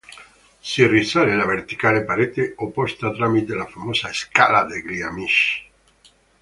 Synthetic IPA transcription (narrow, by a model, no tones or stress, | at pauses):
sirisalelaβeɾt̪i̥kalepaɾet̪eopost̪at̪ɾamit̪elafamosaeskalaðeɡliamiʃ